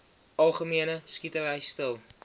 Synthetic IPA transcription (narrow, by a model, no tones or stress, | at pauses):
ɐlˠχəmiənəskitəvɛjstəlˠ